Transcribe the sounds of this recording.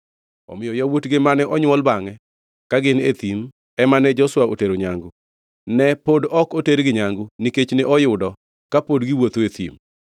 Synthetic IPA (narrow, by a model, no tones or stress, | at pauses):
ɔ̰mɪjɔjɔwotɡemanɛʔɔɲwɔlbaŋɛ | kaɡɪnet̪im | ɛmanɛd͡ʒɔswaoteɾoɲaŋɡʊ | nɛpodɔkoteɾɡɪɲaŋɡʊniket͡ʃneʔɔjʊdɔ | kapodɡɪwot̪oet̪ḭm